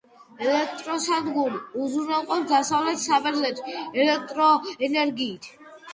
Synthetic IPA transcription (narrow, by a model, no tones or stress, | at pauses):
ɛlɛk̚ʰt̪ʼɾɔsad̪ɡuɾiuzuɾnɛlˠqʼɔd̪asavlɛt̪samɛɾʰlɛt̪ʰɛlɛk̚ʰt̪ʼɾɔɛnɛɾɡiːt̪ʰ